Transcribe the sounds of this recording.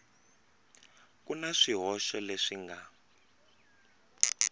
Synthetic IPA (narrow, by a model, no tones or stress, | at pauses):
kunaʂiɦɔʃɔleʂiŋɡa